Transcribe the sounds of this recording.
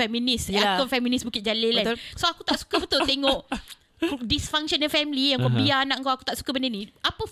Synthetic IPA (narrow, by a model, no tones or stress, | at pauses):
fɛmĩniskɔnfɛmĩnisbukɪt̪̚d͡ʒalelasoakut̪aʔsu̥kabət̪ʊlt̪eŋɔʔ | disfaŋʃɔnɛfɛmlijaŋkɔbianaʔŋkawaku̥t̪aʔsu̥kabəndeniapə